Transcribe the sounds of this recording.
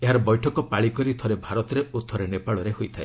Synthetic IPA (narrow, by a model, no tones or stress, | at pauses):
eɦaɾɔbɔjʈʰɔkɔpaɭikɔɾit̪ʰɔɾebʱaɾɔt̪ɔɾeut̪ʰːɔɾenepaɭɔɾeɦojt̪ʰae